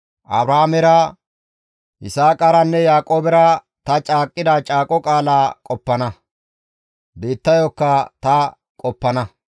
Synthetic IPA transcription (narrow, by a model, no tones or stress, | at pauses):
ʔɐbɾaamɛɾɐ | ʔɪsaːkʼɐɾɐnːɛjaːkʼoːbɛɾɐ | t̪ɐt͡ʃʼaːkʼːɪd̪at͡ʃʼaːkʼɔkʼaːlaːkʼɔpːɐnɐ | be̞ːt̪ːɐjɔkːɐt̪ɐ | kʼɔpːɐnɐ